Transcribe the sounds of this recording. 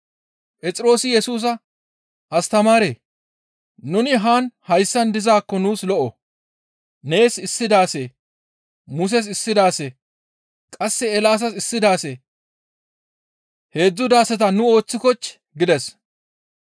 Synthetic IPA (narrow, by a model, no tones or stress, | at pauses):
pɛt͡sʼɪɾo̞ːsɪjɛsuːs̬ɐ | ɐst̪ɐmaːɾeː | nʊnɪɦaːnhɐjsːɐnd̪ɪzaːkːɔnuːslɔʔɔ | ne̞ːsɪsːɪd̪aːse | mʊs̬ɛs̬ɪsːɪd̪aːse | kʼɐsːɛːlaːs̬ɐsɪsːɪd̪aːse | he̞ːd͡zːʊd̪aːsɛt̪̬ɐnʊo̞ːt͡sːɪkɔt͡ʃː | ɡɪd̪ɛs